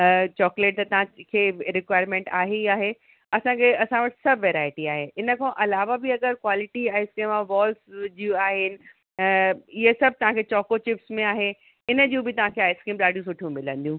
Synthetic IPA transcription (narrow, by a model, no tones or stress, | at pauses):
t͡ɕɔːkleːʈ̚t̪ɐt̪ɐʋɦãkʰeːɾɪkʋaːɪɾmẽːɳʈaːɦeaːɦe | ɐsãkʰeɐsãʋɐʈɪ̥sɐbʋeːɾaːɪʈiaːɦeɪnə̆kʰãʔɐlaːʋabɪɐɡəɾkwaːlɪʈiaːɪskiːmaʋɔːlsd͡ʑiũaːɦɪnɪ̆ | ɪɦesɐb̚ʱt̪ɐʋ̤ãkʰet͡ɕɔːkot͡ɕɪpsmẽaːɦe | ɪnəd͡ʑũbɪt̪ɐʋ̤ãkʰeaːɪskiːmɗaːɖijũs̬ʊʈʰijũmɪlə̃nd̪ijũ